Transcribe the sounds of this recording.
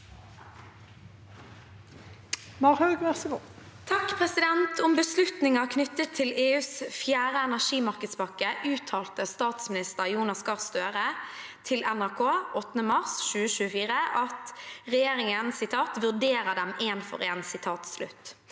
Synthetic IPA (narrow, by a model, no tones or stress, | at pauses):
mɑʁhɑʉɡʋæʁsəɡʊ | t̪ʰɑkpʰʁɛsɪd̪ɛnt̪ʰʊmbəslʉt̪nɪŋɑkʰnʏt̪ːət̪ʰːɪleːʉːsfjæːʁəɛnæʁʂiːmɑʁkəd̪sbɑkəʔʉːt̪ʰɑːlt̪əst̪ɑːt̪smɪnɪst̪əʁjuːnɑsɡɑʁst̪øːʁə | t̪ʰɪlɛnæʁkʰoːʔɔt̪ːənəmɑʁsʃʉːəʃʉːəfiːʁəʔɑt̪ʁɛjeːʁɪŋənsɪt̪ʰɑːt̪ʋʉʁd̪eːʁəd̪ɛmeːnfɔ̰ʁeːnsɪt̪ʰɑːt̪slʉ̰t̪ː